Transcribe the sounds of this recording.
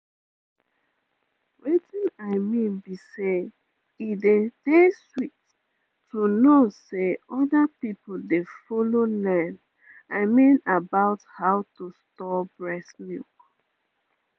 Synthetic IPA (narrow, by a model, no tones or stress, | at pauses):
wetĩnaɪmĩnbise | idedeswit | tunoseɔdapipoldefololãnd | aɪmĩnabaʊthaʊtustɔbɹɛsnjṵk